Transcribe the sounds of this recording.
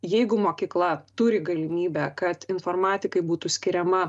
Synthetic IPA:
jɛɪɡʊmoːkʲiːklˠɐt̪ʊɾʲɪɡɐlʲɪmʲiːbʲɛkɐt̪ɪnfoːɾmɑːt̪ʲɪkɐɪbuːt̪ʊsʲkʲɪɾʲɛmɐ

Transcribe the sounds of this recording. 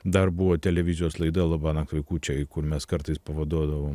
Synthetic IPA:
d̪ɐɾbuʋoːt̪ʲɛlʲɛʋʲɪzʲɪjoːslˠɐɪd̪ɐlˠɐbɑːnɐkʋʲɐɪkuːt͡ʃʲɛɪkʊɾmʲɛskɐɾt̪ɐɪspɐʋɐd̪uɔd̪ɐʋoːm

